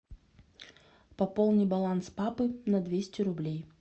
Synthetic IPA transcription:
pɐpolˠnʲɨjbɐlˠanspapɨnɐd̪vʲesʲtʲɪɾʊblʲej

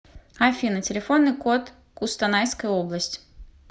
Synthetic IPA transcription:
afʲinətʲɪlʲɪfonːɨkot̪ | kʊst̪ɐnajskəjoblˠəsʲtʲ

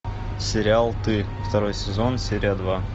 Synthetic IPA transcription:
sʲɪɾʲɪalˠt̪ɨ | ft̪ɐɾo̞jsʲɪzo̞nsʲeɾʲɪjəd̪va

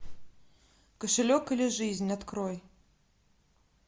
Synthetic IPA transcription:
kɐʂɨlʲɔkilʲɛʐɨzʲnʲat̪kɾɔj

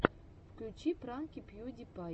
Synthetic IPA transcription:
fklʲut͡ɕipɾankʲipjud̪ʲipa

